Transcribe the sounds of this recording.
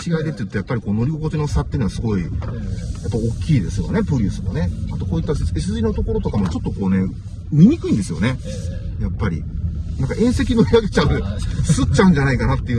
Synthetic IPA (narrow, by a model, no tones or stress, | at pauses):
t͡ɕiɡaid̪e̞t̪ːejɯ̟t̪ːo̞japːaɾʲiko̞ːno̞ɾʲiɡoko̞t͡ɕ̪eno̞sat̪ːejɯ̟noasɨɡo̞i | japːaio̞kʲːiːd̪e̞sɨjo̞̰ne̞pɯ̟ɾʲɯːsɨmo̞ne̞at̪o̞koːit̪ːaesiɨzɨinot̪o̞ko̞ɾo̞t̪o̞kamo̞t͡ɕot̪ːo̞ko̞ːne̞ | mʲiɲ̟ikɯ̟ĩnd̪e̞sɨjo̞̰ne̞ | japːaɾʲḭnãŋkaʔẽ̞ɰ̃se̞kʲinoɾʲiaɡe̞t͡ɕaɯsɨt͡ɕaɯ̟̃ɲ̟d͡ʑanaikanat̪ːe̞iɯ̟